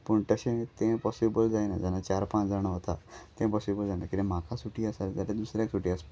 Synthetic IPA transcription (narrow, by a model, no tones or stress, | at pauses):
puɳʈaɕẽt̪ẽpɔsibəld͡zajnad͡zanat͡ɕaɾpãt͡sd͡zaɽ̃əɦot̪at̪ẽpɔsibəld͡zanakit̪ẽmakʰasuʈiːasald͡z̪alẽd̪usɾjaksuʈiːas